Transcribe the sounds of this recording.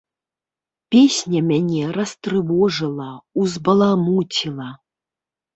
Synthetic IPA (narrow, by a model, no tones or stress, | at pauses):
pʲesʲnʲɐmʲanʲɛɾɐst̪ɾɨvɔʐɨlˠɐuzbɐlˠamut͡sʲilˠɐ